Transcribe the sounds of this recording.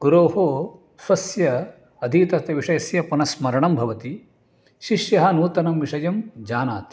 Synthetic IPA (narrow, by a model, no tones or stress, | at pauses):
ɡ̥uɾoːɦoː | sɐsjɐ | ɐd̪ʱiːt̪ɐt̪jɐʋiʂɐjɐsjɐpunɐsmɐɾɐɳɐmbʱɐʋɐt̪i | ʃiʂjɐɦɐnuːt̪ɐnɐmʋiʂɐjɐmd͡ʒaːnaːt̪i̥